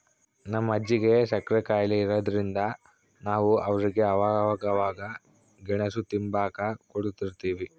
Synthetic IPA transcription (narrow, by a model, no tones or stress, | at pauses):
nɐmːɐd͡ʒːiɡe̞ʃɐkɾɛkaːjliiɾɐːd̪ɐɾind̪ɐ | naːʋuʔɐʋɐɾiɡe̞ɐʋaːaɡɐʋaːɡɐ | ɡɛɳɐsut̪imbaːkɐkoɽut̪iɾt̪iːʋi